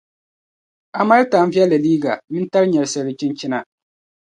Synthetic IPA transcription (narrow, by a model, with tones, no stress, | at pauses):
a˨ma˦ɾɪ˦ta˨m̩˦vi˦ɛ˦la˨liː˦ɡa̰˨mɪ̃˦n˦ta˦ɾɲɛ˨ɾsɛ˨˦ɪ˨˦t͡ʃi˦nt͡ʃɪ˦na˨